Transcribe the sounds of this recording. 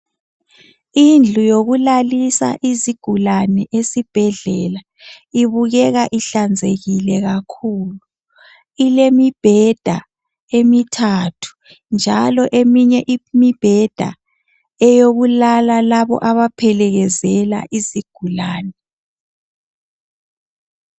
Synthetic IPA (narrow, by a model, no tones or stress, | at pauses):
ind͡ɮʱujoɣulalisa̰ʔiziɡ̥ʱulanɛʔesib̥ʱɛɮɛla | iβuɣɛɣaʔiɬand͡zʱeɣilɛɣakʰuːlu | ilemib̥ʱɛd̥ʱa | emitʰatʰu̥ | nd͡ʒʱalɔʔemiɲɛʔimib̥ʱɛd̥ʱa̰ | ɛjoɣulalalaβɔ̰ʔaβapʰɛlɛɣɛzɛla̰ʔiziɡ̥ʱulaːnɛ